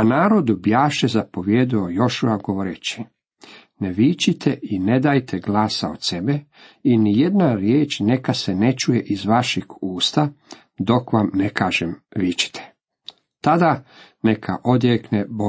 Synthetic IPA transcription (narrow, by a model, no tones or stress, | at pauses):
anaːɾo̞d̪ubjaːʃezapo̞ʋjeːd̪iojo̞ʃuaɡoʋoɾet͡ɕi̥ | neʋit͡ʃit̪ʰeʔine̞d̪aːjt̪ʰeɡlˠaːsaot̪se̞be | inije̞d̪naɾjeːt͡ʃne̞kasenet͡ʃujeʔizʋaʃiɡuːst̪a | d̪o̞kʋamnekaːʒemʋit͡ɕi̥t̪ʰe̥ | t̪ad̪anekʰa̰ʔo̞d̪jeknebo